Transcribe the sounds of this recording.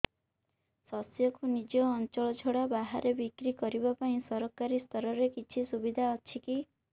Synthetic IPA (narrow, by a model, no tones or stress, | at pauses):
sɔsjɔkunid͡ʒɔːnt͡ʃɔɭɔd͡ʒʰʱoɽabaɦaɾebikɾikɔɾibapaĩsɔɾɔkaɾist̪ʰɔɾɔɾekit͡ʃʰisubid̪ʱaɔt͡ʃʰiki